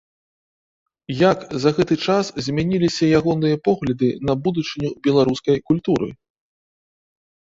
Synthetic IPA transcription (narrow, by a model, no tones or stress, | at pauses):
jakzɐɣɛt̪ɨt͡ʂaszʲmʲanʲilʲisʲɐjaɣɔnɨjɐpɔɣlʲɐd̪ɨnɐbud̪ut͡ʂɨnʲubʲɛlˠaɾuskɐjkulʲt̪uɾɨ̰